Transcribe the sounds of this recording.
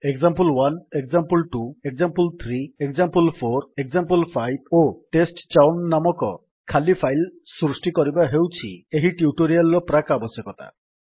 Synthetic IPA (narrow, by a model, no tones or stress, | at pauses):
ekzampulwanekzampulʈuek̚zampult̪ʰɾiekzampulpʰoɾekzampulpʰajb̚oʈesʈt͡ʃawnːamɔkɔ | kʰalipʰajlsɾusʈikɔɾibaɦewt͡ʃʰieɦiʈiuʈoɾialɾɔpɾakabɔsjɔkɔt̪a̰